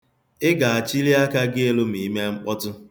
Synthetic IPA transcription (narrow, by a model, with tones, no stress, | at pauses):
ɪ˦ɡa˨a˨t͡ʃi˦li˦a˦ka˦ɡɪ˦e˦lo˦mi˨˦me˦ŋ͡m̩˦k͡pɔ˦tʊ˦